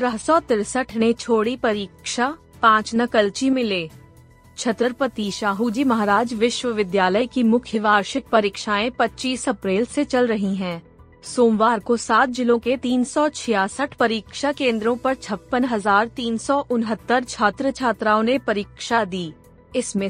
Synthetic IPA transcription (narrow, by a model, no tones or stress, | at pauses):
t̪ɾəɦsɔt̪ɪɾsəʈʰnet͡ʃʰoːɽipɐɾiːkʃa | pãːt͡ʃnɐkəlt͡ʃimɪleː | t͡ʃʰɐt̪ɾəɾpət̪iʃaːɦud͡ʒimɐɦaɾaːd͡ʒʋɪʃʋəʋɪd̪jaːləekimʊkʰjəʋaːɾʃɪk̪̚pɐɾiːkʃaːẽpɐtːʃiːsɐpɾeːlset͡ʃɐlɾɐɦĩɦɛ̃ː | soːmʋaːɾkosaːt̪̚d͡ʒɪlõket̪iːnsɔt͡ʃʰɪjaːsəʈʰpɐɾiːkʃakẽːnd̪ɾõpɐɾt͡ʃʰɐpːənɦɐzaːɾt̪iːnsɔʔʊnɦət̪ːəɾt͡ʃʰaːt̪ɾət͡ʃʰaːt̪ɾaːõnepɐɾiːkʃad̪iː | ɪsmẽ